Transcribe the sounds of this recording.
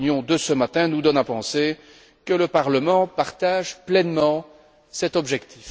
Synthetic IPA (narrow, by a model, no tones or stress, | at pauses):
njɔ̃d̪əsəmat̪ɛ̃nud̪ɔnapɑ̃se | kələpaʁləmɑ̃paʁt̪aʒplɛnmɑ̃ | sɛt̪ɔbʒɛkt̪i̥f